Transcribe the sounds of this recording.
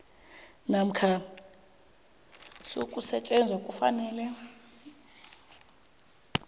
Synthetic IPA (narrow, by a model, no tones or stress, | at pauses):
nam̩kʰa | sokʼusɛt͡ʃʼɛnd͡zʱakʼufa̰nɛːlɛ